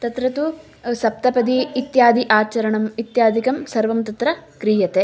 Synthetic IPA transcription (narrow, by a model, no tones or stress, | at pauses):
t̪ɐt̪ɾɐt̪u | sɐp̚t̪ɐpɐd̪iːt̪jaːd̪iʔaːt͡ʃɐɾɐɳɐmit̪jaːd̪ʱikɐmsɐɾʋɐmt̪ɐt̪ɾɐkɾiːjɐt̪eː